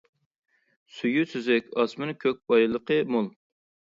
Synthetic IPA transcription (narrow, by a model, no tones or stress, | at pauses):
syjysyzɛkʲɑsmɨnkʲʰøk̚ʲbɑjlˠəqəmolˠ